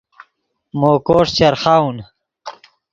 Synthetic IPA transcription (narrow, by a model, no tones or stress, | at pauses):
moːkoːʂt͡ɕɐɾχaun